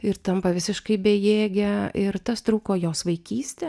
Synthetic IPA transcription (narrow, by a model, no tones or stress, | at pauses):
ɪɾt̪ɐmpɐʋʲɪsʲɪʃkɐɪbʲɛjeːɡʲɛɪɾt̪ɐst̪ɾuːkoːjoːsʋɐɪkʲiːsʲt̪ʲɛ